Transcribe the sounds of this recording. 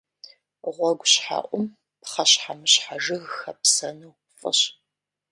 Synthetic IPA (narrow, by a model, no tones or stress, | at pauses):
ʁʷɔɡʷɕħa̰ːʔʷʼʊm | pχɐɕħamɨɕħaʒɨɣxɐpsɐnuw | fʼɨ̰ɕ